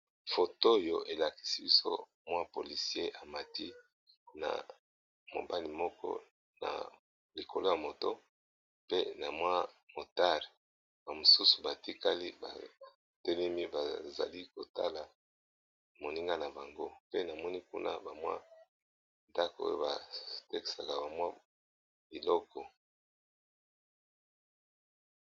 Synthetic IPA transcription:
fo˨to˦˨jo˨ʔe˨la˨ki̥˨si˦bi˦so̰˦ | mwa˦po˨li˨si˦e˦ʔa˨ma˨ti˦ | na̰˨ | mo̰˨ba˦li˨mɔ˦kɔ̰˦ | na̰˨ | li˨ko˨lo˦ja˨mo˨to˦ | pe˦na˨mwa˦mo˨ta˦le˨ | ba˨mo˨su˦su̥˨ba˨ti˦ka˦li˦ba̰˨ | te˦le˦mi˦ba˨za̰˨li˦ko˨ta˦la˨ | mo˨ni˦ŋɡa˦na˨ba˨ŋɡo˦pe˦na˨mɔ˦ni˦kṵ˦nʔa̰˦ba˨mwa̰˦ | nda˦ko˨o̰˦jo˦ba˨te˦ki̥˨sa˨ka˨ba˨mwa˦ | bi˨lɔ˦kɔ˨

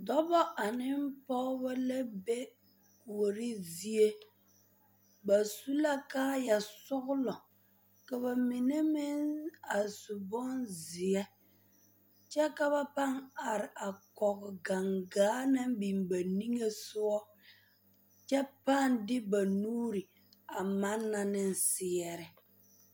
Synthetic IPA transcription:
dɔ˦bɔ˦ʔa˨nɪ˦m˦pɔ˦ba˦lɛ˦be˦ | ku˨o˨ɾɪ˦zi˦e˦ | ba˨su˦la˦ka˦ja˨sʊ˦ɣlɔ˨ | ka˨βa˨mɪ˨ne˦mɪ˦na˨su˨bɔ˦nzɪ˨ɛ˦ | t͡ʃɛ˦ka˦βa˦pa˦ŋa˨ɾɪ˨ʔa˨kɔ˨ɣʊ˨ɡa˨ŋɡaː˨˦na˦m˦bi˨mba˨ni˦ŋe˦sʊ˦ɔ˦ | t͡ʃɛ˦pa˦˨ndɪ˦ba˨nuː˦ɾi˨ | a˨ma˦nːa˨nɪ˦n̩˨sɪ˨ɛ˨ɾɪ˨

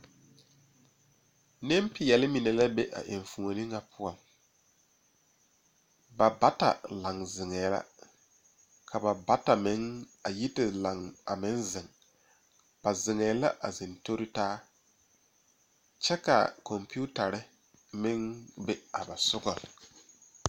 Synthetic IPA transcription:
nɪ˦mpɪ˨jɛ˨lɪ˦mi˨nɛ˨la˦be˦ʔa̰˨ʔɪ˨ɱ˨fu˨ŋo˨nɪ˦ŋa˨pʰʊ˦ɔ˨ŋ | ba˨ba˦ta̰˨la˨ŋzɪ˨ŋɛː˨˦la̰˦ | kʰa˨ba˨ba˦ta˨mɪ˨˦ŋ | a˨ji˦tɪ˨la˨ŋa˨mɪ˦nzɪ˨ŋ | b̥a˨zɪ˨ŋɛ˨la̰˦ʔa̰˨zɪ˨nto˦ɾɪ˦taː˦ | t͡ʃɛ˦ka̰˨kɔ˨mpi˦u˦ta˨ɾɪ˦ | mɪ˦ŋbe˦a˨ba˨sʊ˦ɡɔ˨l

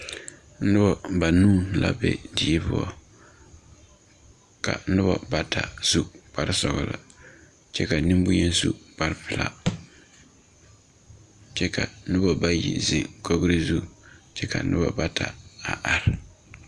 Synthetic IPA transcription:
n̩˦nɨ˦bɔ˨ba˨nuː˦˨nla˦bɛ̰˨di˨˦bʊ˦ɔ˨ | ka̰˨nɨ˦bɔ˨ba˦tʰa̰˨z̥u˦b̥a˨ɾɪ˦sɔ˨ɣlɨ̰˨ | t͡ʃɛ˦ka˨nɨ˦mbʊ˦ɲɛ˦nzu˦b̥a˦ɾɪ˦pɪ˨la̰˦˨ | t͡ʃɛ˦ka˨nɨ˦bɔ˨ba˦jḭ˨zɪ˨ŋko˦ɡɾi˦zu˦˨t͡ʃɛ˦ka˨˦nɨ˦bɔ̰˨ba˦tʰa˨a̰˨ʔa˨ɾɪ˨

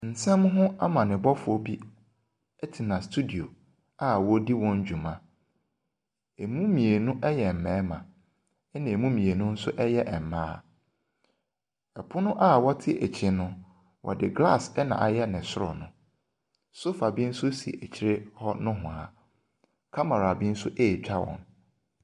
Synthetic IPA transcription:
n̩˨sɛ̃˦mɦʊ̃˦a˦mã˨nɪ̃˨bɔ˦fʊ˨˦ɔ˦bi˦ | ɛ˦tʰi˨nã˨stʰu˦di˨o˨ | a˦wɔ˦di˦wɔ̃˦ɲ˦d͡ʑᶣu˨mã˦ | e˨mũ˦mĩ˨e˨nʊ̃˦ʔɛ˦jɛ˨m̩˨mɛ̃ː˨˦mã˨ | ɛ˦nɪ̃˨e˨mũ˦mĩ˨e˨nʊ̃˦n̩˦sʊ˦ʔɛ˦jɛ˦ʔɛ˨m̩˨mãː˦ | ɛ˨pʰʊ˦nʊ̃˦ʔa˦˨wɔ˦tʰɪ˦ʔe˨t͡ɕʰɪ˨nʊ̃˦ | wʔɔ̰˨dɪ˨ɡla˦˨sɛ˦nã̰˨ʔa̰˨jɛ˦nɪ̃˨sʊ˦ɾɔ̰˨nʊ̃˦ | so˦fa˨bi˦n̩˦sʊ˦sḭ˨e˨t͡ɕʰi˦ɾɪ˦hɔ˦nʊ̃˦ɦʊ̃˨a̰˨ | kʰa˦ma˨ɾa˨bi˦n̩˦sʊ˦ʔeː˦˨t͡ɕᶣa˦wɔ̰̃˨n

